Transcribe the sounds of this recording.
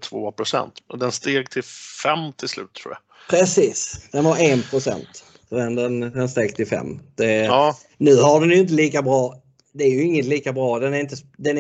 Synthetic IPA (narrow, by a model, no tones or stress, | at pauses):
t̪ʰvoːpʰɾʊsɛ̰nt̪d̪ɛnst̪eːɡt̪ʰɪlfɛmt̪ʰɪlslʉ̟ːt̪ʰːɾuːja̰ | pʰɾɛsiːsd̪̥ɛnvaɾɛnpʰɾʊsɛ̰nt̪ | ɔdɛnd̪ɛnd̪ɛnst̪eːɡt̪ʰɪlfɛ̰mːd̪̥ɛɑː | nʉ̟ːɦaɖɛnjɵɪnt̪əliːkabɾɑː | d̪ɛæɾjɵɪŋːət̪liːkabɾɑːd̪ɛnæɾɪnt̪əsd̪ɛn